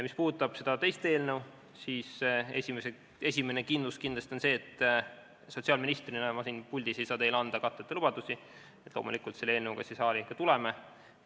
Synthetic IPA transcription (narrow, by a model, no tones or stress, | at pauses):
mispuːd̪ut̪ːˑɑb̥se̞d̪̥ɑt̪e̞jst̪e̞ːlnew | siːse̞sʲimese | e̞sʲime̞nekind̪luskind̪lɑst̪o̞nse̞ːt̪ˑː | so̞t̪ʲsiɑːlminist̪rinoemɑsinpulʲd̪ise̞jsɑːd̪e̞jlɑnd̪̥ɑkɑt̪ːˑet̪ːˑelub̥ɑd̪usi | et̪loːmṵlikult̪se̞lːeeːlnewkɑsesɑːlikɑt̪uleme